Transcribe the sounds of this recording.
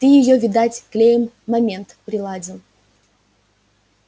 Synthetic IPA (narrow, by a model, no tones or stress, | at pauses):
t̪ɨjɪjovʲɪd̪at͡sʲklʲejɪmːɐmʲe̞nt̪pɾʲɪlˠadʲɪlˠ